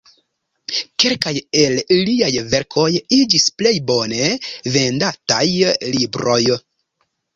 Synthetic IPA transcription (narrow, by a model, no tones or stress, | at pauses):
ke̞lkaje̞lliajve̞ɾkʰo̞jid͡ʒisple̞jbo̞ne̞ve̞ndatajlibɾo̞j